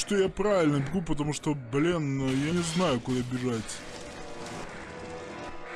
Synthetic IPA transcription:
ʂt̪ojapɾavʲɪlʲnəbʲɪɡup̬ət̪ɐmuʂt̪oblʲinjanʲɪznajʊkʊd̪abʲɪʐatʲ

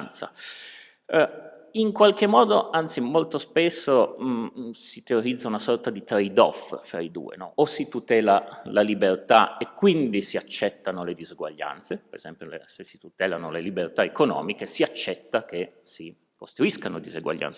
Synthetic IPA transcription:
nt̪sa̰ | iŋkwalk̟emːɔːd̪oant̪simolt̪ospesːo | sit̪eoɾid̪zːaunasɔrt̪ad̪it̪ɾejd̪ɔ̰ffɾaid̪ṵːḛnɔʔosit̪ut̪ɛːlalalibert̪aekːwind̪isiat͡ʃːɛt̪ːanoled̪iziɡwa̰ʎːa̰nt̪sepeɾḛzɛmpjolḛsesːi̥t̪ut̪ɛːlanolelibert̪aekonɔ̰ːmikesiat͡ʃːɛt̪ːakesi | kost̪ɾuiskano̰d̪iziɡwa̰ʎːa̰nt̪s

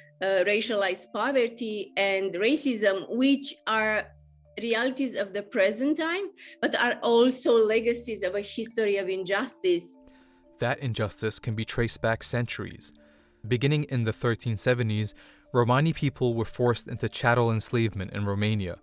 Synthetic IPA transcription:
ɹeɪʃəlaɪzpɑvə˞tiɛ̃ndɹeɪsɪzə̃mwɪt͡ʃaɹ | ɹiælˠitizʌvðəpʰɹɛzɨ̃ntʰãɪ̃mb̥ʌtaɹʔɔlˠsoʊlɛɡɨsizʌvəhɪstɔɹiʌvɪ̃nd͡ʒʌstɪs | ðɨɾɨ̃nd͡ʒʌstɨskʰɨ̃nbitʰɹ̥eɪsb̥æksɛ̃nt͡ʃə˞ḭz̥ | bɨɡɪ̃ñɪ̃ŋɪ̃nðɨθɜ˞tʰĩnsɛvɨ̃ntiz | ɹoʊmɑ̃nipʰipʰl̩ˠwə˞fɔɹstɪ̰̃ntʉt͡ʃʰæɾl̩ˠə̃nsleɪvmɨ̃ntɨ̰̃nɹoʊmẽɪ̃njɨ̰

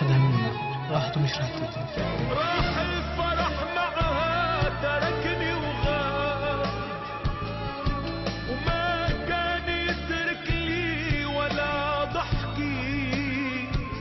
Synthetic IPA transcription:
ad̪amɪnːa | ɾˤɑːħt̪umɪʃɾˤɑːħt̪i | ɾˤɑːħɪlfɑɾˤɑħnaʕhat̪ɑɾˤɑkniwɣaː | wmakaːnjɪt̪ɾɪkliwalːad̪ˤɑħki

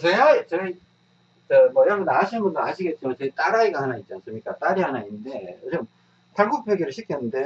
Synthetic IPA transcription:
t͡ɕeɦaet͡ɕ͈ʌi | t͡ɕʌmwʌjaŋɡɯnaaɕʰinɯnbundoaɕʰiɡe̞t̚t͡ɕ͈imat͡ɕʌit͈aɾaiɡahanait̚t͡ɕ͈ians͈ɯmɲik͈at͈aɾiɦanainnde̞jod͡ʑɯm | tʰaɭɡuk̚pʰeɡjʌɾɯɭɕʰikʰjenːɯnde̞

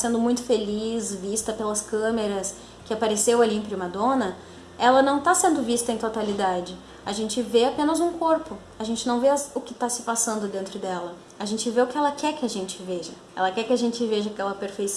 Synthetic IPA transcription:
sẽnd̪ʊmũj̃t̪ʊ̥felisvist̪ɐpelɐskɐ̃meɾɐs | kɪapaɾesewaliẽpɾiũmɐd̪õnɐ | ɛlɐnɐ̃w̃t̪asẽnd̪ʊvist̪ɐẽt̪ot̪alid̪ad͡ʒɪ | aʒẽnt͡ʃɪveapẽnɐzũkoɾpʊ | aʒẽnt͡ʃɪnɐ̃w̃veʊkɪt̪asɪpasɐ̃nd̪ʊd̪ẽnt̪ɾʊd̪ɛlɐ | aʒẽnt͡ʃɪveʊkɪɛlɐkɛɾkɪɐʒẽnt͡ʃɪveʒɐ | ɛ̰lɐkɛɾkɪaʒẽnt͡ʃɪveʒɐakɛlɐpeɾfejs

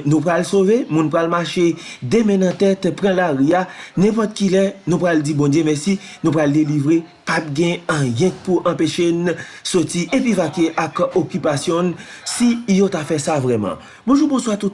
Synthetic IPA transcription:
nũpɣalsovemũnpɣalmaʃed̪emɛ̃nɐ̃t̪ɛt̪pʁãlaʁianɛ̃pɔt̪kilɛnũpɣald͡zibɔ̃d͡zjemɛsinũpɣaldelivʁe | pap̚ɡɛ̃ɐ̃jɛ̃t̪̚puʔɐ̃peʃensotiʔepivakeʔakokypasjɔ̃n | sijot̪afɛsavʁɛmɑ̰̃ | bõʒubõswat̪ut

